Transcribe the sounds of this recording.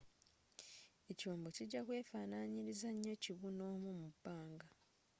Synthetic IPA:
e̞coːmbociɟːakwe̞ːfaːnaɲiɾizaɲːe̞ciβuno̞ːmumubːaːŋɡa

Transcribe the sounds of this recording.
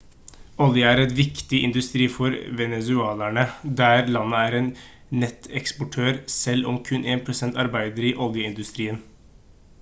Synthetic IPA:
ɔljəæɾɛt̪ʋɪkt̪ɪʔɪ̰nd̪ʉst̪ɾiːfɔɾʋɛnɛsʉɑːlæɳəd̪æɾlɑnːəæːɾeːnː | ɛt̪ʰɛkspɔʈʰøːɾsɛlːɔmkʰʉnʔeːnpʰɾʊsɛnt̪ɑɾbæɪd̪əɾiʔɔljəɪnd̪ʉst̪ɾiːən

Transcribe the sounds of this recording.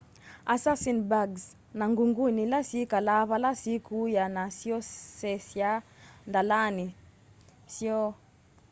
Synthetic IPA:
asasinbaɡs | naŋɡuŋɡunilasikalavalasikujanasiɔsɛsjandalani | siɔ

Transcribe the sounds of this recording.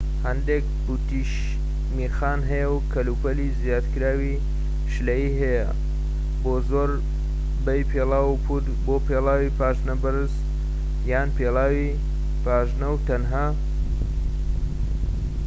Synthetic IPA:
hɐnd̪eːk̚ | but̪iʃ | miːxaːnɦɐjɐwkʰɐluːpɐlizjaːt̪kɨɾaːwi | ʃlɐjiːɦɐjɐ̰ | boːzoːɾ | bɐjpʰelaːwupʰut̪boːpʰeːlaːwipʰaːʒnɐbɨɾɨz | jaːnpeːlˠaːwi | paːʒnɐwt̪ɐnɦaː

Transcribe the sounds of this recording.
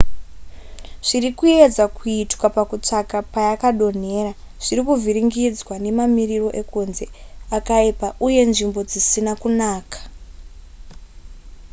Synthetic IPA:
ʐ̥irikue̞d͡zakuitwapakut͡ʂakapajakaɗo̞n̤e̞ːɾa | ʐ̥iɾikuvʱiɾiŋɡid͡zwane̞mamiriro̞ʔe̞kunze̞akaipaʔuje̞nʐimbo̞d͡zisinakunaːkḁ

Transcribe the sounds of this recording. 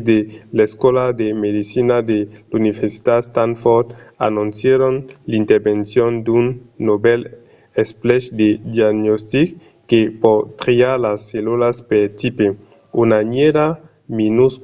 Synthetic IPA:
zd̪eleskwolad̪emedisinad̪eluniveɾsi̥t̪ast̪anfoɾt̪a̰nũnsjeɾonlint̪eɾbensjond̪unːobɛl | esplɛʃd̪ed̪jaɡnost̪ik | kːepɔt̪ɾiaɾlasːelulaspeɾt̪ipe | unaɲeɾa | minus

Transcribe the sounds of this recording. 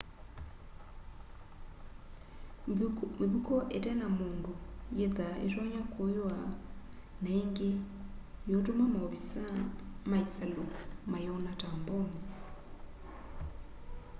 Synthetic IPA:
meβukɔʔetɛnamoːndujeðaḛʃɔɲakojwa | naeŋɡejotomamaβisamaisalomajɔnatambɔmi

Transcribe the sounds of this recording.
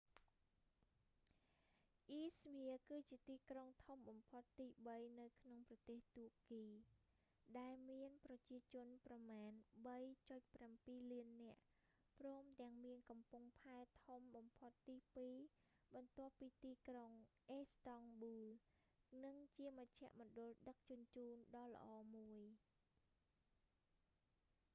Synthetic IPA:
ʔiːsmiəkɨːt͡ɕiət̪iːkroŋt̪ʰumɓɑmpʰot̪ːiːɓəjnɨwkʰnoŋprɑt̪eːht̪uəʔkiː | ɗaɛlmiənprɑt͡ɕiət͡ɕʊ̆ənprɑmaːnɓəjt͡ɕoc̚prampiːliənːɛ̆əʔ | prɔːmt̪ɛ̆əŋmiənkɑmpuŋpʰaɛt̪ʰomɓɑmpʰot̪ːiːpiː | ɓɑnt̪ŏəpːiːt̪iːkroŋʔeːst̪ɑŋɓuːl | nɨŋt͡ɕiəməc̚t͡ɕʰɛ̆əʔmɔ̆ɗʊ̆lɗək̚t͡ɕʊ̆ənt͡ɕuːnɗɑːlə̆ʔɑːmuəj

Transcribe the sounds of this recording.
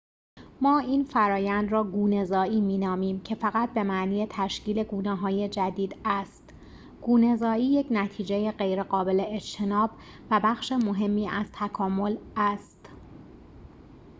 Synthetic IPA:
mɒːiːnfæɾɒːjænd̪rɒːɡuːne̞zɒːiːmiːnɒːmiːmcʰe̞fæɣæt̪̚be̞mæʔniːjet̪ʰæʃcʰiːle̞ɡuːnɛːɦɒːje̞d͡ʒæd̪iːd̪æst̪ | ɡ̥uːne̞zɒːiːjecʰnæt̪ʰiːd͡ʒejeɣɢe̞jɾe̞ɢɒːbe̞leet͡ʃt̪ʰe̞nɒːb | væbæxʃemo̞ɦe̞mːiːʔæz̥t̪ʰækʰɒːmo̞læst̪

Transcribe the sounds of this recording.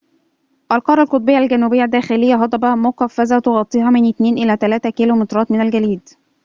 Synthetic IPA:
ʔælqɑɾˤːɑlqot̪ˤbejːælɡænːuːbɪjːæd̪ːæːxɪlɪjːæɦɑd̪ˤɑbɑmoqɑfːæzæt̪oɣɑt̪ˤːiːɦɑmɪnʔɪt̪neːnʔɪlæːt̪ælæːt̪ækilomɪt̪ɾˤɑːt̪mɪnælɡæliːd̪

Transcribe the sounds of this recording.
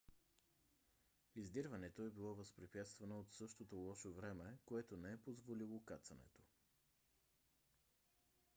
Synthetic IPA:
izd̪iɾvɐnɛt̪oɛbilˠɔvəspɾipjat̪st̪vɐnoot̪sɤʃt̪ot̪olˠɔʃovɾɛmɛkoɛt̪onɛɛpozvolilˠokat̪sɐnɛ̰t̪o̥

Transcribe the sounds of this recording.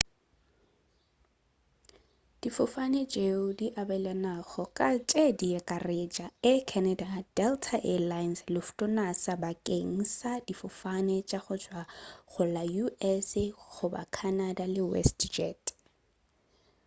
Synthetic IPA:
d̥ifʊfanɛt͡ʃʼeʊdiʔabɛlanaɣɔkʼat͡ʃʼediɛkʼaret͡ʃʼaɪkʰɛnadad̥ɛltʰaʔɛlajnslɪfʊ̥tʼʊnasabakʼeŋ̩sadifʊfanɛt͡ʃʼaχʊt͡ʃʼwaχʊlajuʔɛsχʊba̰kʰanadalɪwɛ̰std͡ʒɛt

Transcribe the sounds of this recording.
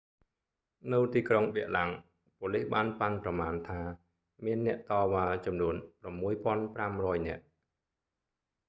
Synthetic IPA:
nɨwt̪iːkroŋɓɛəʔlaŋ | pŏəlihɓaːnpanprɑmaːnt̪ʰaː | miənːɛ̆əʔt̪ɑːʋaːt͡ɕɑmnuənpramːuəjpŏənpramrɔːjnɛ̆əʔ

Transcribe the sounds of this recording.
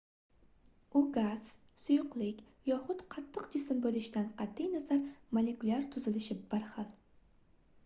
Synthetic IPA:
ʊɡaz̥ | sʊjʊqlɪkʲ | jɒχʊt̪qʰɑt̪ʰːɨqd͡ʒɪsɪmbolɪʃd̪anqʰɑt̪ːijnazaɾmolekʊlʲaɾt̪ʰʊzɪlɪʃɪbaɾχɑlˠ

